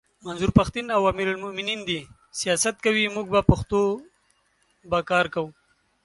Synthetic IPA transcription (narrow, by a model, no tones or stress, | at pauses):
manzuɾpaxt̪inawɑmiɾalmʊmɪnind̪i | sijɑsat̪̚kawimuɡ̚bapaxt̪o | bakɑɾkawu